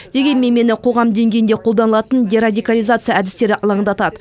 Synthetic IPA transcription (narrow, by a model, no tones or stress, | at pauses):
d̪̥e̞ɡʲe̞nme̞me̞nɪqʰo̞ʁɑmd̪e̞ŋɡʲe̞jnd̪e̞qʰold̪ɑnəlˠɑt̪ənd̪ʲeɾad̪ʲijkalʲijzat̪sɨijaæd̪ɪst̪e̞ɾɪʔɑlˠɑɴd̪ɑt̪ɑd̪ə